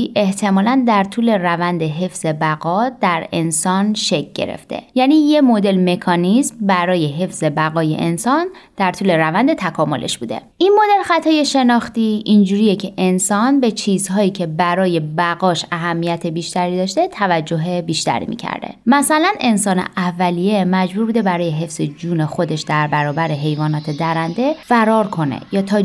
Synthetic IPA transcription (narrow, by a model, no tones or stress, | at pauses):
ʔe̞ht̪ʰe̞mɒːlænd̪æɾt̪ʰuːle̞rævænd̪eɦe̞fz̥e̞bæɣɒd̪æɾe̞nsɒnʃe̞c̚ɟ̥e̞̰ɾḛft̪ʰḛjæːniːje̞mo̞d̪e̞lme̞kʰɒnismbæɾɒːje̞ɦe̞fz̥e̞bæɣɒːjḛʔensɒnd̪̥æɾt̪ʰuːle̞ɾævænd̪e̞t̪ʰækʰɒːmo̞lʔe̞̰ʃb̥uːd̪e̞̰ʔinmo̞d̪e̞lxæt̪ʰɒːje̞ʃe̞nɒːxt̪iʔind͡ʒuːɾijecʰeʔensɒnbe̞t͡ʃʰiːzhɒːiːcʰe̞bæɾɒːje̞bæɣɒːʃæɦæmːijæt̪ʰe̞biːʃt̪æɾiːd̪ɒːʃt̪e̞t̪ʰævæd͡ʒːo̞ɦe̞biːʃt̪æ̰ɾḭːmḭcʰæ̰ɾd̪ḛmæsælæne̞nsɒːne̞̰ʔævːælije̞mæd͡ʒbuːɾbuːd̪e̞bæɾɒːje̞ɦe̞fz̥e̞d͡ʒuːne̞xo̞d̪e̞ʃd̪æɾbæɾɒːbæɾe̞ɦe̞jvɒːnɒːt̪ʰe̞d̪æɾænd̪e̞fæɾɒːɾkʰo̞ne̞̰jɒːt̪ʰɒː